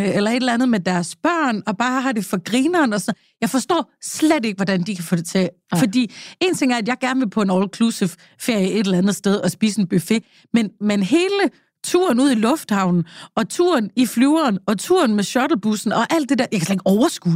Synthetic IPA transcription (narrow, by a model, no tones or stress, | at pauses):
ʔelɐe̝dɾlænð̩ˠmed̥æɐsb̥ɶɐ̰nɒ̽b̥ɑ̈ːɦɑ̈d̥e̝fɒ̽ɡ̥ʁiːnɐːnɒ̽sn | jɑ̈ɪfɒ̽sd̥ɔ̰ːsled̥e̝ɡ̥əʋɒdænd̥ikʰæfɔ̰ːde̝t͡sʰe | fɒ̽d̥ḭːe̝ːnt͡sʰe̝ŋæɐædjɑ̈ɪɡ̥æɐnʋe̝pʰɒ̽e̝nɒʊlkʰlusə | fe̝ɐ̰jəe̝d̥elænð̩ˠsd̥eð̞ˠɒ̽sb̥ḭːse̝nb̥yfe̝ | menmenɦe̝ːlə | t͡sʰṵɐn̩uð̞̰ˠilɔ̽fd̥hɑ̈ʊ̰nn̩ʔɒ̽t͡sʰuɐnifluːɐːnɒ̽t͡sʰuɐnmeɕɒd̥l̩b̥usn̩ɒ̽ʔæl̰d̥e̝d̥eɐ̰jɑakʰsle̥e̝ɡ̥ɒʊɐsɡ̥ṵ